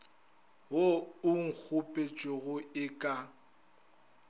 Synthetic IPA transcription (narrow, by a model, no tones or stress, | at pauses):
ɦoʊŋ̩k͡xʰʊpʼet͡ʃʼoɣʊɪkʼa